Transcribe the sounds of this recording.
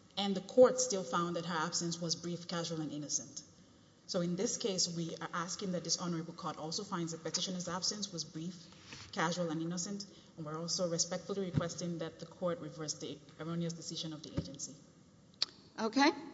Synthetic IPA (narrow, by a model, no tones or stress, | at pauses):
ɨ̃nðɨkʰɔɹtstɪlˠfãʊ̃nðɨt̚ɦə˞æb̥sɨ̃nswʌzbɹifkʰæʒul̩ˠɨ̃nɪ̃nɨsɨ̃nt | soʊɨ̃nðɪskʰeɪswiə˞ʔæskɪ̃ŋðɨt̪̚ðɪsɑnə˞əbl̩ˠkʰɔɾɔlˠsoʊfãɪ̃ndzðɨt̚pɨtɪʃɨ̃nəzæb̥sɨ̃nswʌzbɹifkʰæʒulˠɨ̃nɪnəsɨ̃nt | ɛ̃nwiɹɔlˠsoʊɹɨspɛk̚tfl̩ˠiɹɨkʰw̥ɛstɪ̃ŋðɨt̪̚ðɨkʰɔɹt̚ɹɨvɜ˞sðiəɹõʊniɨsd̥ɨsɪʒɨ̃nʌvðiʔeɪd͡ʒɨ̃nsi | ʔoʊkʰeɪ